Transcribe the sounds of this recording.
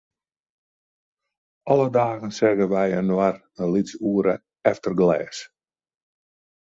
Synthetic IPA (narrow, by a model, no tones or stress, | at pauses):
ʔɔlədaːɣənsɛɣəʋɛjənwar | ənlisuəɾə | ɛftərɡlɛ̰ːs